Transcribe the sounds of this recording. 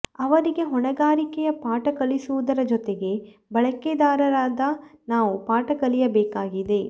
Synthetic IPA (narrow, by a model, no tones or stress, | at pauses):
ɐʋɐɾiɡe̞ɦɔɳɐɡaːɾikɛjɐpaːʈɐkɐlisuʋud̪ɐɾɐd͡ʒɔt̪eɡe̞ | bɐɭɐked̪aːɾɐɾaːd̪ɐnaːʋupaːʈɐkɐlijɐbɛːkaːɡid̪e̞